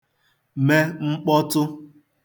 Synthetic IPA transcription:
me˦ŋ͡m̩˦k͡pɔ˦tʊ˦

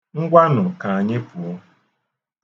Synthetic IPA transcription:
ŋ̩˦ɡʷa˦nʊ˨ka˨a˨ɲɪ˦pʊ˨ɔ˦

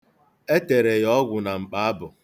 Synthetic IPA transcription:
e˦te˨ɾe˨jɔ˦ɡʷʊ˨na˨ŋ͡m̩˨k͡pa˨˦a˦bʊ˨

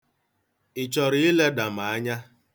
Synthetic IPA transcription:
ɪ˨t͡ʃɔ˨ɾi˦i˦le˦da˨ma˨a˦ɲa˦

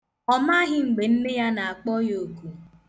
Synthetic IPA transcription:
ɔ˨ma˦ɦɪ˨ŋ͡m̩˨ɡ͡be˨n̩˦mɪ˦ja˦na˨a˨k͡pɔ˦jo˨ku˨

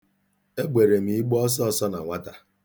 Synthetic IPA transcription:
e˦ɡ͡bʷe˨ɾe˨m̩˦˨i˦ɡ͡bɔ˦s̬ɔ˦sɔ˦na̰˨ŋʷa˦ta˨

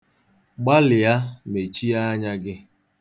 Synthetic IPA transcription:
ɡ͡ba˦lɪ˨ja˦me˨t͡ʃi˦a˦ɲa˦ɡɪ˦

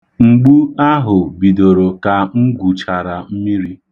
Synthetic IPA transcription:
ŋ͡m̩˨ɡ͡bu˦a˦ɦʊ˨bi˨do˨ɾo˨ka˨ŋ͡m̩˦ɡu˨t͡ʃa˨ɾa˨m̩˦mi˦ɾi˦

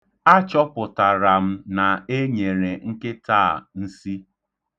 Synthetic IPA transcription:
a˦t͡ʃɔ˦pʊ˨ta˨ɾa˨m̩˦na˨e˦ɲe˨ɾe˨ŋ̩˦ke˦taː˦˨n̩˦si˦

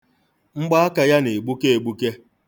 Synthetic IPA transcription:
ŋ͡m̩˦ɡ͡ba˦a˦ka˨ja˦ne˨e˨ɡ͡bu˦ke˦e˨ɡ͡bu˦ke˦

